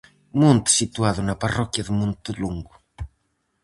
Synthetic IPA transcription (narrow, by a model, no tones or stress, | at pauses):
mõnt̪sit̪uaðunɐparɔkjɐðumũnt̪uluŋɡʊ